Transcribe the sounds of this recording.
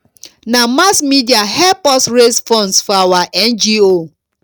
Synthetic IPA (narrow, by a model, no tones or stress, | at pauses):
namasmidiaɦɛpɔsɹesfɔ̃nsfɔawaʔɛnd͡ʒio